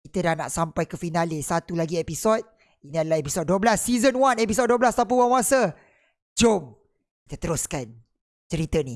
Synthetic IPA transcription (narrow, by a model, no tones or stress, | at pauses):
kit̪ədahna̰ʔsampajkəfinalɪsat̪ulaɡiepisɔt̪̚ | iniadalahepisɔd̚dːuwəblasːizənwanepisɔd̚duəblast̪ap̬əwanwasə | d͡ʒom | ki̥t̪ət̪əɾʊskan | t͡ʃəɾit̪əni